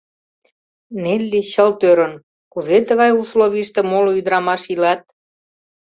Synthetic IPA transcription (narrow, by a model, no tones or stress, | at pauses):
nelʲːiɕəlt̪øɾən | kuzet̪əɣɑjusloβʲiʃt̪ĕmoloyd̪ɾɑmɑʃilɑt̪̚